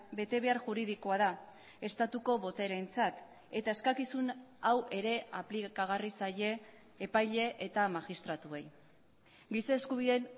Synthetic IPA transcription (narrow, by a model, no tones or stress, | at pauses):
be̞t̪e̞βe̞aɾʝuɾið̞iko̞að̞a | e̞st̪at̪uko̞βo̞t̪eɾe̞nt͡sat̪ | e̞t̪ae̞skakisunawʔe̞ɾe̞aplikaɣ̞arisaje̞ː | pajʎe̞ʔet̪amaɣist̪ɾat̪ue̞j | ɡisaːskuβ̞iðe̞n